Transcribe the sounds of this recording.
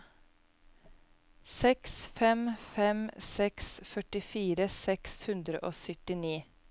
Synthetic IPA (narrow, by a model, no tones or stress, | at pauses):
sɛksfɛmfɛmsɛksfœʈɪfiːɾəsɛkshʉnd̪ɾəʔoːsʏt̪ɪniː